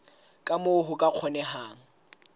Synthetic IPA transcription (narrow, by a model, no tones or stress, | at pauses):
kʼamʊɦʊkʼaq͡χʰɔnɛɦaːŋ̩